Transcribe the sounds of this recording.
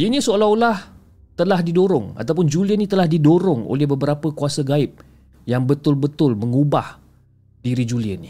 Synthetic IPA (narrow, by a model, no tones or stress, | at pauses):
inĩsoalaulah | t̪əlahdidoɾʊŋa̰t̪awpʊnd͡ʒuliənĩt̪əlahdidoɾʊŋo̰lɛhbəbəɾapəkuasaɡaɪp̚ | jaŋbət̪ʊlbət̪ʊlməŋubah | diɾid͡ʒuliə̰ni